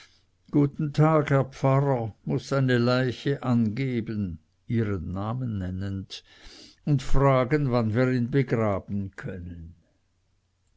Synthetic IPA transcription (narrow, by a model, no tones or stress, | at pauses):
ɡ̥uːtn̩tʰaːɡhɛɐpp͡faʁɐmʊsːaɪnəlaɪçəʔanɡeːbən | iːʁənːaːmənːɛnənd | ʊntfʁaːɡənvanviːʁiːnbəɡʁaːb̥n̩kʰœnən